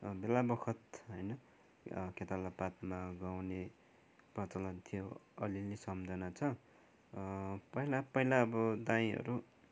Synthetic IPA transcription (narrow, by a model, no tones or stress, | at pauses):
belabʌkʰʌt̪ɦʌjnʌ | ket̪alapat̪̚maɡawne | prʌt͡sʌlʌnt̪ʰijoʌ̰lilesʌmd͡zʱʌnat͡sʰʌ | pʌɦilapʌɦilaːbʌd̪aĩɦʌ̰ɾu